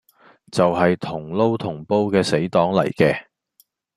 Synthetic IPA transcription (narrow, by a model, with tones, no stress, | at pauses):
t͡sɐ˨wɦɐ˨jt̪ʰʊ˨˩ŋlo˥wt̪ʰʊ˨˩ŋpo˥wkɛː˧se˨˥jt̪ɔː˨˥ŋlɐ̰˨˩jkɛː˧